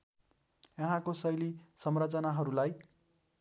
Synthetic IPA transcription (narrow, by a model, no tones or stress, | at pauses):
jʌɦãkosʌjlisʌmrat͡sʌnaɦʌɾulaj